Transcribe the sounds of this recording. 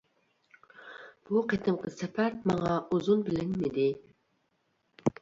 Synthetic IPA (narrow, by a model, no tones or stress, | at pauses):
b̥uqʰet̪ʰɨmqʰəsɛpʰæɾmɑŋɑʔuzunbɪlɪnmɪd̪ɪ